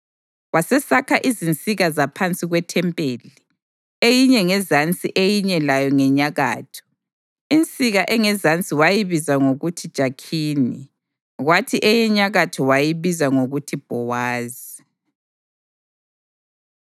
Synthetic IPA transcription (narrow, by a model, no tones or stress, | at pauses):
wasɛsakʰaʔizint͡sʼiɣazapʰant͡sʼiɣwɛtʰɛmpʼeli | ejiɲɛŋɛzant͡sʼḭʔejiɲɛlajɔŋɛɲaɣa̰ːtʰɔ̥ | int͡sʼiɣaʔɛŋɛzant͡sʼiwajiβizaŋoɣutʰid̥ʒ̥ʱakʰiːnḭ | ɣwatʰiʔɛjɛɲaɣatʰɔwajiβizaŋoɣutʰib̥ʱɔwaːzii